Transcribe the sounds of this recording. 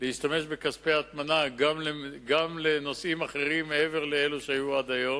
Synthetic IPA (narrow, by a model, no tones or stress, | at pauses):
leiʃtame̞ʃbekaspeaat̪manaɡamleɡamle̞no̞simaχe̞ʁimːeeve̞ʁleeluʃeajuad̪ajo̞